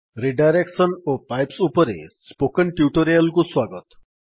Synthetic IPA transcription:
ɾiɖajɾeksɔnopajpsupɔɾḛspokəɳʈjuʈoɾijəlkuswaɡɔt̪

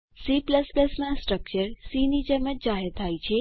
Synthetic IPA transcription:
sipləspləsnãsʈɾək̚t͡ʃəɾsinid͡ʒəmət̪̚d͡ʒaɦeɾt̪ʰajt͡ʃʰe

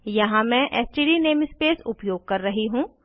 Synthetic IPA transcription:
jɐɦãmɛ̃ːʔɛːsʈiːɖineːmspeːsʊpjoːɡ̚kɐɾːɐɦiɦũː

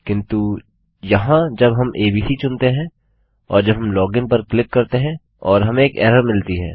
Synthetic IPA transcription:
kɪ̃nt̪u | jɐɦãd͡ʒɐbɦɐmʔeːbiːsit͡ʃʊnt̪eɦɛ̃ | ɔ̰ːɾd͡ʒɐbɦɐmlɔːɡɪ̃npɐɾklɪkːɐɾt̪eɦɛ̃ | ɔːɾɦɐmẽeːkɛ̰ːɾəɾmɪlt̪iɦɛ̰ː

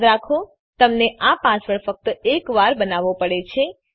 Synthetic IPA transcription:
ɾakʰo | t̪əmneʔapãsʋəɾfək̚t̪ekʋaɾbənaʋopəɽet͡ʃʰe

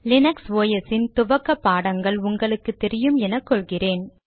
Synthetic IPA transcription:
lɪnɐksʋoːjɐsɪnt̪ʊʋɐkːɐpːaːɽɐŋɡɐɭʊŋɡɐɭɯkːɯt̪ːɛɾɪjɯmɛnɐkːɔɭɣɪreːn

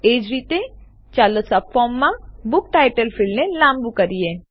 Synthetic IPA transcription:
eːd͡ʒɾiːt̪e | t͡ʃaːləsappʰːɔːmːãbʊk̚ʈaːɪʈəlfʰɪlnelãːmbukɐɾieː

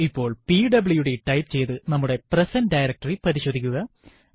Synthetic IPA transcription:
ipːo̞ːɭpiɖɐbɨɭjuɽeʈɐjpt͡ɕe̞jt̪ɨnɐmːuɽe̞presɐnɖɐjɾɐk̚ʈɐriprɐɾiɕoːd̪ʱːikʲːuɣɐ

